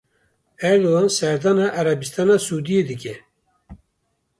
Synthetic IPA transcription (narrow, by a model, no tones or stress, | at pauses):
ɛɾd̪oɑnsɛɾd̪ɑːnɑʔæɾɛbist̪ʰɑːnɑsuːd̪ijed̪ɨkʲɛ